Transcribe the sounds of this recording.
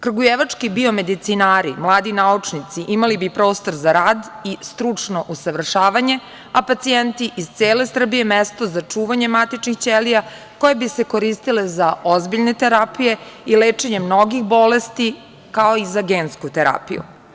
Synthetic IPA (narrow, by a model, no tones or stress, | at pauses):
kr̩ɡujeʋat͡ʂkibio̞me̞d̪it̪sinaːɾimlˠaːd̪inaut͡ʂnit̪siʔimalibipɾo̞ːst̪o̞ɾzaɾaːd̪ist̪ɾut͡ʂno̞ʔusaʋr̩ʂaːʋaɲe̞ | apat̪sijent̪iʔizt̪seːle̞sr̩bije̞mest̪o̞zat͡ʂuːʋaɲe̞mat̪it͡ʃnixt͡ɕelija | ko̞jebise̞ko̞ɾist̪ile̞zaozbiʎne̞t̪eɾapije̞ileːt͡ʂeɲe̞mnoɡixbo̞le̞st̪i | kao̞izaɡeːnskut̪eɾa̰ːpḭjṵ